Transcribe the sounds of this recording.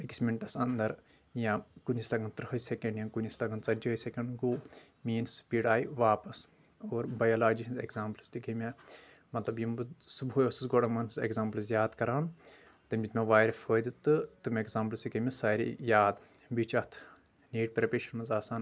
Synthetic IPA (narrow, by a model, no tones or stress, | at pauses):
eki̥smeɳʈɐsɐnd̪ɐɾ | jãkunʲislɐɡɐnt̪ɾɦɐsʲekɐɳɖjɐ̃kunislɐɡɐnt͡sɐd͡ʒɐːsʲekɐɳɖɡoː | miːnspiɽaːiʋaːpɐs | oːɾbɐjɐlaːd͡ʒiɦinzekzaːmplst̪ikɐmʲe | mɐt̪lɐbjɐmɨsuboːjosusɡoɽɐmɐnsḛkzaːmplzjaːd̪kɐɾaːn | t̪ɐmʲbit̪meʋaːjɾɐfʰəːd̪it̪ɨt̪ɨmʲeekzaːmplst̪ikɐmʲesaːɾḭjaːd̪ | bit͡ʃɐt̪ʰ | niːʈ̚pɾɐpeʃɐnmɐnzaːsaːn